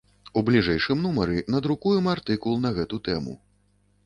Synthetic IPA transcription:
ublʲiʐɛjʂɨmnumɐɾɨnɐd̪ɾukujɛmart̪ɨkulˠnɐɣɛt̪ut̪ɛmṵ

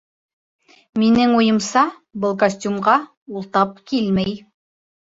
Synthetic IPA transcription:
minɘŋujɤ̆msɑ | bɤlˠkɐsʲtʲumʁɑ | ulˠt̪ɑp̚kilmæj

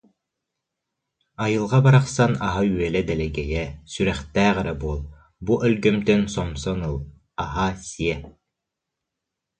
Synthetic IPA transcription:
ajɯlˠʁɑbaɾaqsanaɦayɛlɛd̪ɛlɛɡɛjɛsyɾɛχt̪æːʁɘɾɛbuɔlˠ | buʔœlɡœmt̪œnsɔmsɔnɯlˠ | aɦasiɛ

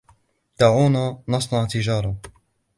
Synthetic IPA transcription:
d̪̥aːʕuːnanɑsˤnɑʕt̪ɪd͡ʒɑːɾˤɑ

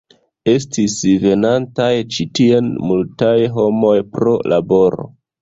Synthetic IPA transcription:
e̞stisve̞nantajt͡ʃitie̞nmultajɦo̞mo̞jpɾo̞lʔabo̞ɾo̞̰

